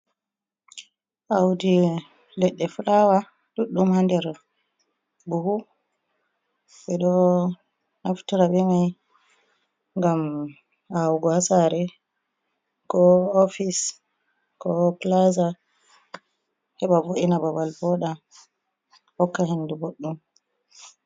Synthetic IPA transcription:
ʔawdi | lɛɗːɛfulawa | ɗuɗːumhandɛɾ | buhu | ɓɛɗɔ | naftuɾabɛmaj | ŋɡam | awɡɔhasaɾɛ | kɔofis | kɔplaza | hɛɓavoʔinabawalbɔɗa | hɔkːaɦenːduboɗːum

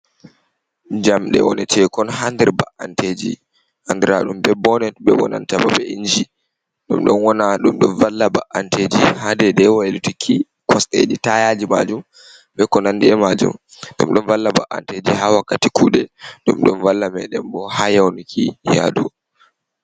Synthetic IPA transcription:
d͡ʒamɗɛ̰wɔnɛt͡ʃʰɛkɔnɦandɛɾbaʔanted͡ʒḭ | handɛɾaɗumbɛbɔnɛɓɛwɔ̰na̰ntababɛʔiɲd͡ʒi | ɗumɗɔnwɔnaɗumɗɔnvalːabaʔanted͡ʒihadɛdɛwɔɛlutikʰi | kʰɔsɗḛd͡ʒitajad͡ʒima̰d͡ʒum | bɛkɔnandɛɛmad͡ʒṵm | ɗumɗɔnvalːabaʔa̰nted͡ʒihawakːatikuːɗɛɗumɗɔnvalːamɛɗɛmbɔhajawnikʰija̰ɗu

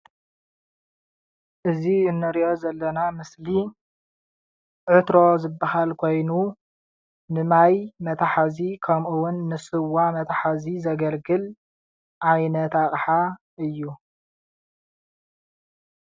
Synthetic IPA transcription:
ʔɨziɨnːɨɾiʔo̞zɐlːɐnamɨsli | ʕɨt̪ɾo̞zɨbːahalkʰo̞jnu | nɨmajmɐt̪ʰaħazikʰɐmʔuwʊnːɨsʼɨwːamɐt̪ʰaħazizɐɡɐlɡɨl | ʕajnɐt̪aχʼħa | ɨjːu

